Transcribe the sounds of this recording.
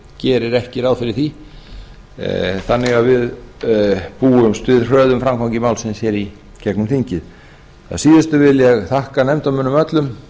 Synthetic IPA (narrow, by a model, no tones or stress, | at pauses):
cɛːɾɪɾɛhcɪɾawðfɪɾɪθi | θanːɪɣavɪð | puːʏmst̪vɪðr̥œːðʏmfɾamkʰawɲcɪmaːwlsɛmsjɛɾi | cɛknʏmθiɲcɪð | θa̰siːðɪst̪ʏvɪljɛɣθahkanɛmt̪amʏːnːmœt̪lʏm